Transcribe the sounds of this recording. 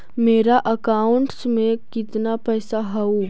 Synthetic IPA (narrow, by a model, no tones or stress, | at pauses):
meːɾaʔɐkaːʊ̃ɳʈsmẽkɪt̪napɛːsaɦɐu